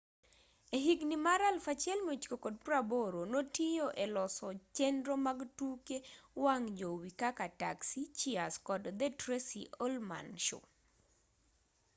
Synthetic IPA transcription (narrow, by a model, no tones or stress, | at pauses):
eɦiɡnimaɾalfat͡ʃjɛlmut͡ʃkokod̚pɾaboɾonotijoʔelɔsɔt͡ʃendɾomaɡtukewaŋd͡ʒowikakata̰ksit͡ʃiaskɔdd̪ɛtɾesiʔolma̰nʃo̰